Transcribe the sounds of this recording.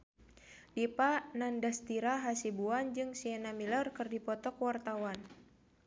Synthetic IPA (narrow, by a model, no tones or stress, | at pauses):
dipanandast̪iɾaɦasibuand͡ʒɨŋsiɛnamilərkɨrdipɔt̪ɔkwart̪awan